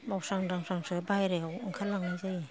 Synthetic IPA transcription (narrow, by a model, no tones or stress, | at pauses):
mawsaŋdaŋsaŋsɯbajɾeawŋkʰalːaŋazaji